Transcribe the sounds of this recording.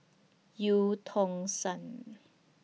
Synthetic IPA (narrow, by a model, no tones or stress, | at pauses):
juːt̪ʰoŋsan